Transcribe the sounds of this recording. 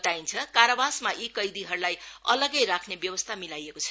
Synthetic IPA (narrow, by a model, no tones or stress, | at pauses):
t̪aint͡sʰʌkaɾbasmaʔikʌjd̪iɦʌrulajʌlʌɡʌjɾakʰnebjʌwʌst̪ʰamilajekot͡sʰʌ